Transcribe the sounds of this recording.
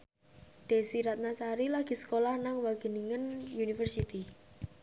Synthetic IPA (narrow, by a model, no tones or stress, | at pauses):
ɖ̪̥e̤siɾat̪̚nasaɾilaɡ̥i̤sə̥kolahnaŋwaɡ̥ə̤niŋənjunifərsit̪i